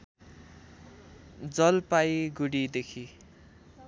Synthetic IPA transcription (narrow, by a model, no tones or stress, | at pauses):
d͡zʌlpajɡuɽid̪ekʰi